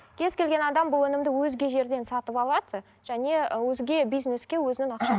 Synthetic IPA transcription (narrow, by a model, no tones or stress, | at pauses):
kʲʰe̞zkʲe̞lɡʲe̞nɑd̪ɑmbʊlˠɵnɪmd̪ɪwɵzɡʲe̞ʒe̞ɾd̪e̞nsɑt̪əpɑlˠɑd̪ə | ʒ̥æne̞wɵzɡʲe̞bijzne̞skʲe̞wɵzɪnɪŋɑqʃɑ